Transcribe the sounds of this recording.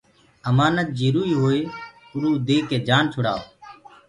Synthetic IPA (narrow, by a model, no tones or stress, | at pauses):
əmaːnət̪̚d͡ʒiɾuːiːɦoːeː | ʊɾuːd̪eːkeːd͡ʒaːnt͡ʃʰʊɽa̰ːoː